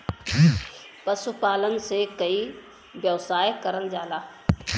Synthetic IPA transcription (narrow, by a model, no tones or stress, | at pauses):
pɐsupaːlənsekɐi | ʋjɐʋsaːjkɐɾənd͡ʒaːlaː